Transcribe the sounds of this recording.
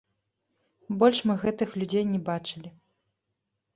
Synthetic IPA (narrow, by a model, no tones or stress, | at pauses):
bɔlʲʂmɨɣɛt̪ɨxlʲud͡zʲejnʲɛbat͡ʂɨlʲi